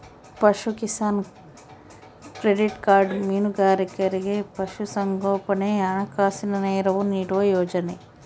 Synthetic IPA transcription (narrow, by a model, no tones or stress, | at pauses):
pɐʃukisaːn | kɾeɖiʈkaːɾɖmiːnuɡaːɾikɐɾiɡepɐʃusɐŋɡoːpɐneɐɳɐkaːsinɐneːɾɐʋuniːɽuʋɐjoːd͡ʒɐne